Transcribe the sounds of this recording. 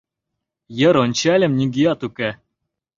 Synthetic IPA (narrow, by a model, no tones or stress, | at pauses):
jə̆ɾonʲt͡ɕælʲɘ̆mnʲiɡʲijɑt̪ukɘ